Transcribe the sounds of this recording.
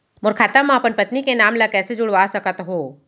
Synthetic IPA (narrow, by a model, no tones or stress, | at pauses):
mʊɾkʰaːt̪amãpənpət̪nikenaːmlɐkɛːsed͡ʒʊɽ̤ʋasɐkət̪ɦoː